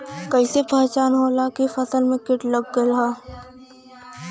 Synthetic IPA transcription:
kəɪsepɛɦt͡ʃaːnɦoːlakifɐsəlmẽkɪʈləɡːəlɦaː

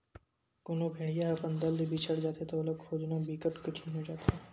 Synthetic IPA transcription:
kʊnõbʱẽːɽijaɐpənd̪əld̪ibʱit͡ʃʰəɽd͡ʒaːt̪et̪olokʰoːd͡ʒnõbʱiːkəʈkʊt͡ʃʰinɦod͡ʒaːt̪e

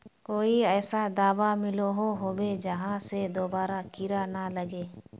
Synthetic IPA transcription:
koːiɛːsad̪aːbamɪloɦoɦobed͡ʒəɦãsed̪obaːɾakɪɾanaləɡeː

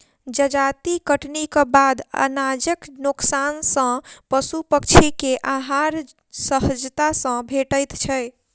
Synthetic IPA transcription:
d͡ʒəd͡ʒat̪ikəʈnikəbad̪ə̰nad͡ʒəknuksansə̃pəsupəkt͡ʃʰikeʔaɦaɾ | səɦəd͡ʒt̪asə̃bʱeʈəjt̪t͡ʃʰəj

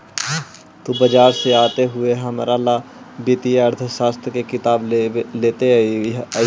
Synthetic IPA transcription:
t̪obɐd͡ʒaːɾseaːt̪eɦʊeɦɐmɾala | biːt̪ijeɐɾt̪ʰəʃaːst̪ɾkekɪt̪aːbleːt̪e

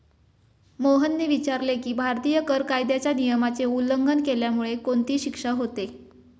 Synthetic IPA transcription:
moɦənːeʋit͡ɕaɾlekiːbʱaɾt̪iːjəkəɾkajd̪jat͡ɕjanijəmat͡seuləŋɡʱənkeljamuɭekoɳt̪iːɕikʂəɦot̪e

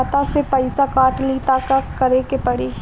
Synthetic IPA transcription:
t̪asepɐɪsakaːʈliːt̪aːkakɐɾekepɐɽiː

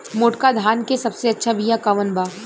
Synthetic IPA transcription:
moːʈkad̪ʱaːnkesɐbseɐtːʃʰabijakaʋənbaː

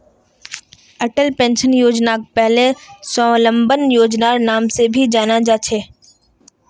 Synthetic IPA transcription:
ɐʈəlpẽːnʃənjoːd͡ʒnaːk̚pɛɦlesɔ̃lə̃mbənjoːd͡ʒnanaːmsebʱid͡ʒaːnad͡ʒaːt͡ʃʰeː

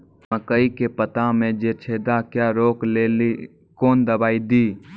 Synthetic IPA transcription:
məkəikepət̪amẽd͡ʒeːt͡ʃʰeːd̪akjaːɾoːkleːli | kɔːnd̪əbaːid̪iː

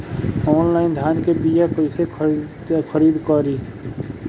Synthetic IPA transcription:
ɔːnlaːɪnd̪ʱaːnkebijakoise | kʰəɾiːd̪kɔɾiː

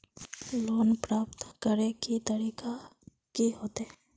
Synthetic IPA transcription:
loːnpɾaːp̚t̪kəɾekit̪əɾiːka | kiɦoːt̪ɛ

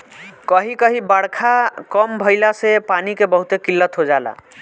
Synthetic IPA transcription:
kəɦikəɦibəɽkʰakɔmbʱəɪlasepanikebəɦut̪ekilːət̪ɦod͡ʒala̰

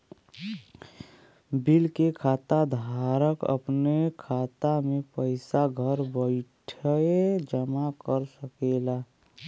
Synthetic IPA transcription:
bilkekʰaːt̪ad̪ʱaɾəkə̰pnekʰaːt̪amẽpəɪsaɡʱəɾbəɪʈʰəed͡ʒəmakəɾsəkela

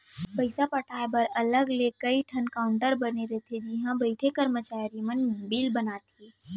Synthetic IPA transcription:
pɐɪsapɐʈʰaːebɐɾɐləɡlekɐiʈʰənkaːʊɳʈəɾbɐneɾɐɦet̪ʰed͡ʒɪɦãbɐɪʈʰekəɾmət͡ʃaːɾimənbiːlbɐnaːt̪ʰeː

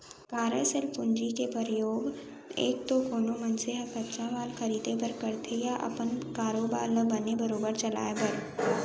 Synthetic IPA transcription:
kaːɾəsəlpʊnd͡ʒikepəɾjoːɡḛːk̚t̪okoːnomɐnseɦɐkɐtːt͡ʃãʋaːlxɐɾiːd̪epəɾkɐɾt̪ʰejaʔɐ̰pənkaːɾoːba̰ːlbɐnebɐɾoːbəɾt͡ʃɐla̰ːepɐɾ

